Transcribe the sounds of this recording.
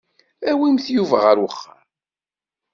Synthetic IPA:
æwimθjuvæʁəɾwəχːaɾ

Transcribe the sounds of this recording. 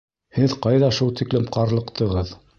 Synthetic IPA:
hɘðqɑjðɑʃulˠt̪iklɘmqɑɾlˠɤ̆qt̪ʰɤ̆ʁɤð

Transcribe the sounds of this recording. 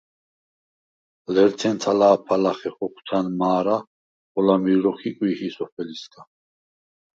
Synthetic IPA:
lɛɾt̪ʰɛnt̪ʰalaːpʰalaχɛχɔkʷʰt̪ʰanmaːɾa | χɔlamiɾɔχʰikʼwihisɔpʰɛliskʰʼa

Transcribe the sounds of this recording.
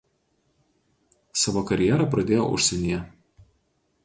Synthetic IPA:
sɑːʋoːkɐɾʲjɛɾɐˑpɾɐd̪ʲeːjo̰ʔʊ̰ʃʲsʲɛnʲɪjɛ

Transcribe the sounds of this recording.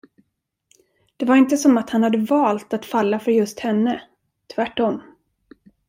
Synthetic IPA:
d̪̥ɛvaɾɪnt̪əsɔmat̪hanhad̪ːəvɑːlt̪at̪falːafœɾjɵst̪hɛnːə | t̪ʰvæʈːɔmː

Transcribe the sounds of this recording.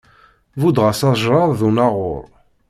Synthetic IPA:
vud̪ʁasɑʒɾɑɾˤðunaʁʊ̰ɾˤ

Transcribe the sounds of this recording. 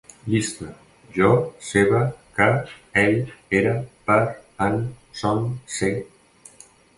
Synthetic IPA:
list̪a | ʒɔseβakaeʎeɾapaɾansonse

